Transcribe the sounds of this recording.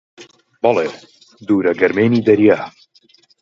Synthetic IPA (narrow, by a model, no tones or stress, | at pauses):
bɑleː | d̪uːɾɐɡɐɾmeːniːd̪ɐɾjaː